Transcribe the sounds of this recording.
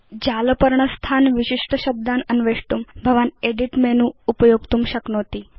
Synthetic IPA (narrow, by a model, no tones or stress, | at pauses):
d͡ʑaləpəɾɳəst̪ʰanʋiɕiʂʈəɕəb̚d̪anənʋeʂʈumbʱəʋaneɖiʈmenũːupəjoɡ̚t̪umɕəknot̪iː